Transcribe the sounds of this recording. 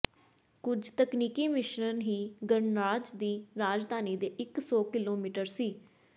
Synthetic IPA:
kʊd͡ʒt̪əkniːkiːmɪʃnənɦiːɡəɳɾaːd͡ʒd̪iːɾaːd͡ʒd̪ʱaːniːd̪eːʔɪksɔːkɪloːmiːʈəɾsiː

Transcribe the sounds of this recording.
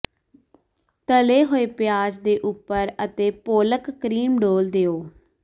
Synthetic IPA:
t̪əleːɦoːeːpɪjaːd͡ʒd̪eːʔʊpːəɾət̪eːpoːləkːɾiːmɖoːld̪eːoː

